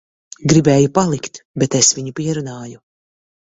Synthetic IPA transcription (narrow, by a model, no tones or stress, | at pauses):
ɡɾibɛːjupalˠikt̪bɛt̪esviɲupiɛɾunaːju